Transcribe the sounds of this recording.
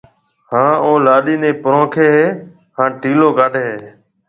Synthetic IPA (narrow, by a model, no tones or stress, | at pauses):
hãːoːlaːɗiːnẽːpəɾõːkʰeːɦeː | hãːʈiːloːɡaːɗeeː